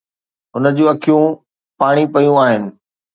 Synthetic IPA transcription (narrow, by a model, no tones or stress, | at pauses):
ɦʊnəd͡ʑũɐkʰijũ | paːɽ̃ipɐjũaːɦɪnɪ̆